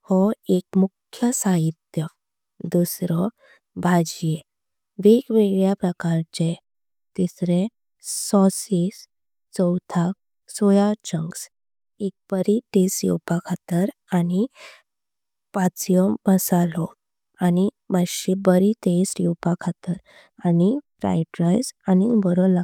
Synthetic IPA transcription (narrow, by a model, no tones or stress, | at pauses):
hɔekmukʰjəsaɦit̪jə | d̪usɾɔ | bʱad͡ʑje | ʋeɡʋeɡɭɭjapɾəkaɾt͡ɕe | t̪isɾẽː | ɔsis | t͡sɔwt̪ʰak̚ | sojat͡ɕəŋɡs | ek̚b̥əɾit̪esjḭwpakʰat̪əɾani | pat͡sjɔbəsalɔ | ani | maɕibəɾit̪esjiwpakʰat̪əɾ | anifɾa̰jʈɾajsanibəɾɔla